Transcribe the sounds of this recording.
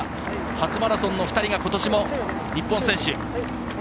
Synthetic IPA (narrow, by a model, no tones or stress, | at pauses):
hat͡sɨmaɾasõ̞nːo̞ɸɯ̟̥t̪aɾʲiɡako̞t̪o̞ɕimo̞ | ɲʲipːõsẽ̞ɕɨ